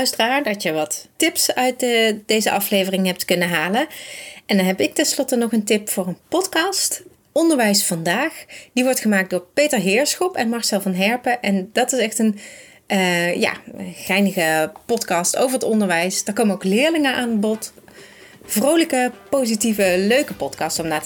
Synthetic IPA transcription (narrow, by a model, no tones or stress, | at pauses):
œɥstəraːɹdɑʃjəʋɑtːɪpsœɥtdejzəʔɑflejvərɪŋɦɛp̚tkɵnəɦaːlənɛndɑnɦɛpɪk̚tɛnslɔtənɔχəntɪpfʊːɹənpɔtkɑːst | ɔndəɹʋɛjsfɑndaːxd̥iʋɔɹtχəmaːk̚dʊːɹpejtəɹɦɪːɹsxɔpɛnmɑɹsɛlˠvɑnɦɛɹpəʔɛndɑtɪsɛxtənː | ja̰ːχɛjnəɣəpɔtkɑsto̰wvəɹətɔndəɹʋɛjsdaːɹkowmənowklɪːɹlɪŋəʔaːnəbɔt | v̥rowləkəpowzitivəløɥkəpɔtkɑːstɔmnaːtə